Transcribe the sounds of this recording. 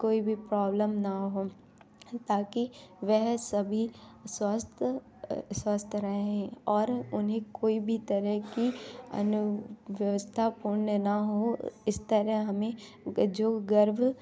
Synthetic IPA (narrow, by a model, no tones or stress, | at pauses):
koːibʱipɾaːbləmnaɦoː | t̪aːkiʋɛɦsɐbʱiswəst̪ | swast̪ʰɾɐɦeɛ̃ɔːɾʊnɦẽkoːibʱit̪ɐɾəɦkiɐ̰nʊʋjʋəst̪ʰapuːɾɳənaɦoɪst̪əɾəɦɐmẽ | d͡ʒoːɡəɾbʱ